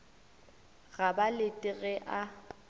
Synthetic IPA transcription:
ɣabalɪtʼɪɣɛʔa

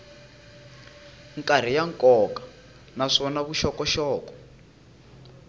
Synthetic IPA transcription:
ŋkʼar̤ijaŋkɔkḁ | naʂɔnaβuʃɔkɔʃɔːkɔ̥

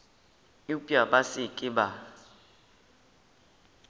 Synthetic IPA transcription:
ipʼjaɓasɪkʼɪba

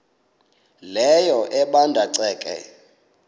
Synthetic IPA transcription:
lɛjɔʔɛɓandʱaǀɛːkʼɛ̰

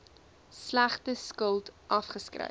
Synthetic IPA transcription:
slæχtəskəlˠtʔɐfχəskrə̰

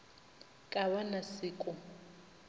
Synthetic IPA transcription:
kʼaβanasɪːkʼʊ

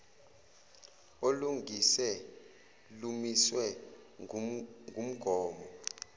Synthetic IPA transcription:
oluŋʱisɛ | lumiswɛ | ŋʱum̩ɡ̥ʱɔːmɔ

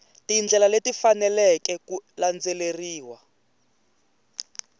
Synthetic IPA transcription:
tind͡ɮʱɛlaletifanɛlɛkɛkuland͡zɛleriːwa

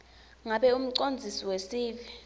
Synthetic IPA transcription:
ŋaɓɛum̩ǀond͡zʱisiwesiːvi

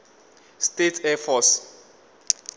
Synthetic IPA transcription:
stetʰɛfɔs

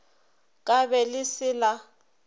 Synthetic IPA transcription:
kʼabɛlɪsɪla

